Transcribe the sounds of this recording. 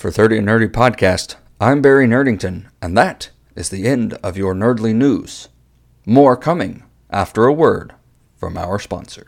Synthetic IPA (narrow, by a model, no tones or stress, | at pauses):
fə˞θɜ˞ɾiɨ̃nɜ˞ɾipʰɑd̚kʰæst | ʔãɪ̃mbɛɹinɜ˞ɾɪ̃ŋtɨ̃nʔɨ̃nðɨɾ | ɨzðiɛ̃ndʌvjə˞nɜ˞dˡlinuz̥ | mɔɹkʰʌmɪ̃ŋ | ʔæ̰ftə˞əwɜ˞d̥ | fɹʌ̰̃ma̰ʊə˞spɑ̰̃nsə̰̥˞